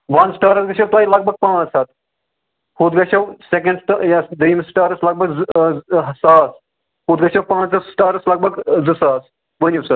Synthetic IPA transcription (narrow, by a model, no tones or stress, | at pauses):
ʋɐnsʈaːɾɐsɡɐʃʰɐwt̪aːilɐɡ̚bʱɐɡ̚pãːt͡ʃsɐt̪ʰ | huːt̪ɡɐʃɐwsekɐ̃ɳɖsʈjad̪iːmsʈaːɾɐslɐɡ̚bɐɡ | ɦsaːs | huːd̪ɡɐʃɐwpãːt͡ʃɐssʈaːɾɐslɐɡ̚bʱɐɡzɨsaːs | ʋɐnʲuwsat̪̚